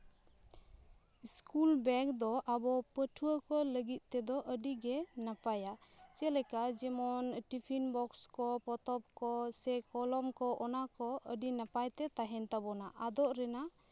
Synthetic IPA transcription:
skulbɛkd̪ɔʔabɔpəʈʰuəkɔləɡit̪̚ˀt̪ɛd̪ɔʔəɖiɡɛnapajat͡ʃɛlɛkad͡ʒɛmɔnʈipʰinbɔkskɔpɔt̪ɔp̚kɔsɛkɔlɔmkɔʔɔnakɔʔəɖinapajt̪ɛt̪aɦɛnt̪abɔnaʔad̪ɔʔɾɛna

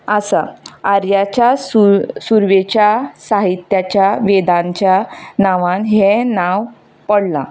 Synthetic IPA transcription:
əsaaɾjat͡ɕassuɾʋet͡ɕjasaɦit̪jat͡ɕjaʋed̪ãɲt͡ɕjanaʋãnɦenaʋ | pəɽla̰

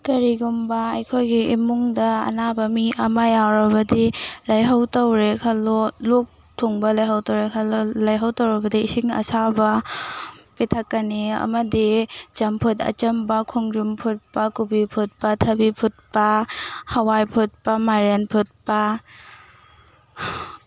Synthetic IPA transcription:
kɐɾiɡumbɐɐjkʰojɡiimuŋdɐɐ̰nabɐmiʔɐmajawɾɐbɐdilɐjɦɐwtɐwɾekʰalolok̚ | tʰoŋbɐlɐjɦawtowɾekʰalolɐjɦawtɐwɾɐbɐdiːsiŋɐ̰sabɐ | petʰɐkːɐniɐ̰mɐdid͡ʒɐmpʰutɐ̰t͡ʃɐmbɐkʰuŋd͡ʒumpʰut̚pɐkubipʰut̚pɐtʰɐbipʰut̚pɐhɐwajpʰut̚pɐmaɾenpʰut̚pɐ

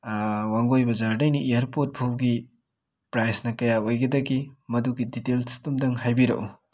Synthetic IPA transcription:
waŋɡojbɐzaɾdɐjniʔijɐɾpot̚bʰʱowɡi | pɾajsnɐkɐjaojɡɐdɐɡimɐduɡiditelsi̥tumdɐŋɦajbiɾɐ̰ʔu

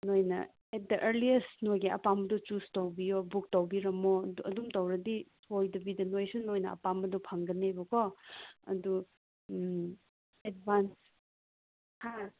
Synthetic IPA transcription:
nojnɐ̰ | ɛt̚dɐʔeɾliesnojɡiɐ̰pamɐdut͡ʃustowbijobuk̚tɐwbiɾɐmoɐdumtɐwɾɐditʰojdɐbidɐnojsunojnɐɐ̰pamɐdupʰaŋɡɐnebɐkʰɔɐ̰du | et̚bans | ha

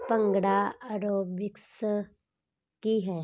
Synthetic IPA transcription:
pə̃ŋɡɽaəɾoːbɪks | kiɦɛː

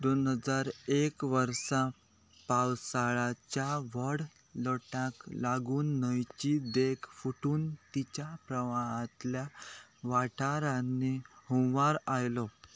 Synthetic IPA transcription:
d̪onɦəd͡zaɾekʋəɾsã | pawsaɭat͡ɕjaʋəɽ | ləʈãklaɡuːnːəjt͡ɕid̪ekʰfuʈuːnt̪it͡ɕapɾəʋaɦãt̪ljaʋaʈʰaɾãnːehõʋaɾajlɔ

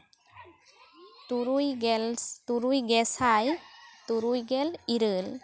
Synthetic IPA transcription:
ɾujɡt̪uɾujɡɛsajt̪uɾujɡɛliɾɯl

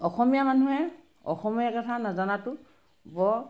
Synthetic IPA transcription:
ɔxɔmijamanuɦɛ | ɔ̰xɔmijakɔtʰanazanatʊ | bɔ

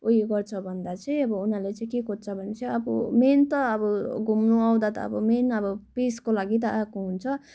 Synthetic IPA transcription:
oɦiɡʌrt͡sʰʌbʱʌnd̪at͡sʌĩʌbʌunalet͡sʌĩkekot̪t͡sʰʌbʱʌnet͡sʌiʌbʌment̪ʌːbʌɡʱumnuaw̃d̪at̪ʌ̰ːbʌmenʌbʌpeskolaɡit̪̬ʌʔakoɦunt͡sʰʌ

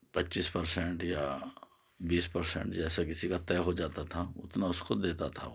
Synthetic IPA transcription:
pɐtːt͡ʃispɐɾsɛ̃ɳʈja | biːspɐɾsɛ̰̃ɳʈd͡ʒɛːsakɪsikat̪ɛːɦod͡ʒaːt̪at̪ʰaʊ̰t̪naʊskod̪eːt̪at̪ʰa̰

